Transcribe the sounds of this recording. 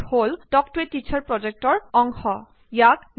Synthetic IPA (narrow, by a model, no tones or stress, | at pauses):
holdɔk̚tetːit͡ʃʰɔɹpɹɔd͡ʒek̚tɔɹɔŋxɔ | jakn